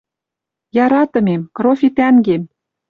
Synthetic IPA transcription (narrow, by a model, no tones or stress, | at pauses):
jɑɾɑt̪ɤ̆mʲemkrofʲit̪æŋɡem